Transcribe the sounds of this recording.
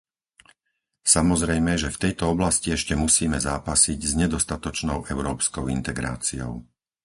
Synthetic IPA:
samɔzɾɛjmɛʒɛft̪ɛjt̪ɔɔblasciɛʃcɛmusiːmɛzaːpasiɟzɲɛd̪ɔst̪at̪ɔt͡ʃnɔʊʔɛʊɾɔːpskɔʊḭnt̪ɛɡɾa̰ːt͡siɔ̰ʊ

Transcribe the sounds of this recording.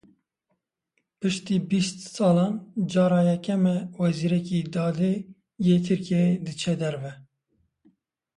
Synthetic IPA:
pɨʃt̪iːbist̪sɑːlɑːnd͡ʒɑːɾɑːjɛkɛmɛwɛziːɾɛkid̪ɑːd̪e | jeːt̪ʰɨɾkeed̪ɨt͡ʃʰɛd̪ɛɾvɛ

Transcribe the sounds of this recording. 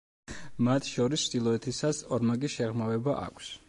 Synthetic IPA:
mat̪ʰʃɔɾist͡ʃʰd̪ilˠɔɛt̪ʰisasɔɾmaɡiʃɛʁmavɛbaʔa̰kʷʰs

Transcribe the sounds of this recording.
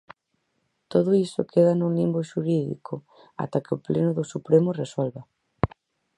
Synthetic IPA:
t̪oðʊisʊkʰeðanulimboʃuɾiðḭkʰo | a̰t̪akeʊplenʊðʊsupɾemʊreswɔlβɐ

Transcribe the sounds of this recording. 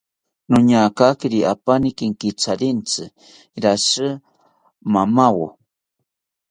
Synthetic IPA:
nʊɲakakiɾiʔapanikiŋkit͡saɾint͡sɨ | ɾasɨ | mamawo̰

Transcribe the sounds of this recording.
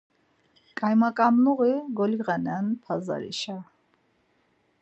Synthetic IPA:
kʼajmakʼamnuʁiɡɔliʁanɛnpʰaza̰ɾḭʃa

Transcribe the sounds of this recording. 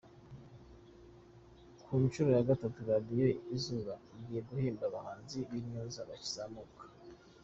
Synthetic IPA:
kʰumiʃuɾojaɡatatuɾadijoizuβaɡijeɡuhiːmbaβahaːnziβimɲuzaβaci̥z̥amukḁ

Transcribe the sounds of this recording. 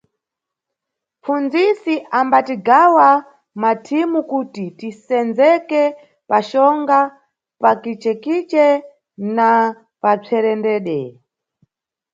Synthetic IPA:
p͡fund͡zisiʔambatiɡawa | matʰimukutitisɛnd͡zɛkɛ | paʃɔŋɡa | pakit͡ʃɛkit͡ʃɛ | na | pat͡sʰɛɾɛndɛːɗɛ

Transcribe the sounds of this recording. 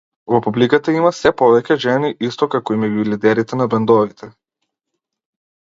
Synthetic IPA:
vɔpublikat̪aimasɛpɔvɛcʲɛʒɛniʔist̪ɔkakɔimɛɡilid̪ɛɾit̪ɛnabɛnd̪ɔvit̪ʰɛ

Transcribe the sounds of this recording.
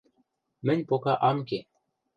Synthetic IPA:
mɘ̆nʲpokɑʔɑmke

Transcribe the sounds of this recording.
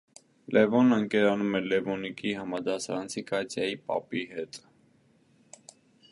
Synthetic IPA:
lʔɛvɔnəŋkɛɾɑnumɛlɛvɔnikiɦɑmɑd̪ɑsɑɾɑnt͡sʰikɑt͡sʰjɑjipɑ̰piɦɛt̪ʼ

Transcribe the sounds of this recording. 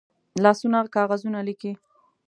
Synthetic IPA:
lɑsunakɑɣazunaliki

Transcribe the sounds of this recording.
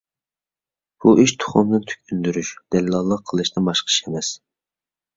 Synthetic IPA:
b̥uʔiʃt̪ʰʊ̥χʊmd̪ɨnt̪ʰy̥kʲʰynd̪yɾyʃd̪̥ɛllˠɑlˠːəqʰːəlˠɨʃnɨbɑʃqʰə̥ʃemɛs

